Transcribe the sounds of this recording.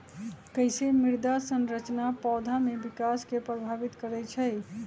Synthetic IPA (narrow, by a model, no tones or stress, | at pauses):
kəɪsemiɾd̪asənɾət͡ʃnapɔːd̪ʱamebikaskepɾəbʱabit̪kəɾɛt͡ʃʰɛɪ